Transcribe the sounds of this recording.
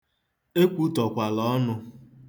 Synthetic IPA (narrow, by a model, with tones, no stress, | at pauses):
e˦kʷu˦tɔ˨kʷa˨lɔ˦nʊ˦